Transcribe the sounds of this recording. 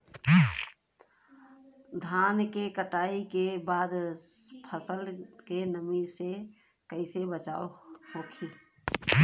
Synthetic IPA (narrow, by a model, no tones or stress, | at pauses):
d̪ʱaːnkekəʈaːikebaːd̪pʰəsəlkenəmise | kəɪsebət͡ʃa̰ːohoːkʰi